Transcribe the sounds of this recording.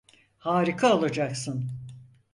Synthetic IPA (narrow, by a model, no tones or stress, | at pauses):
haːɾikʰaolˠad͡ʒaksɯn